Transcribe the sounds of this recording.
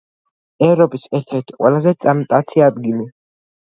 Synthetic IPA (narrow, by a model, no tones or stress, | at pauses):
ɛvɾɔpʼisɛɾt̪ʰɛɾt̪ʰi̥qʼwɛlazɛt̪sʼamt̪ʼat̪sʰiad̪ɡili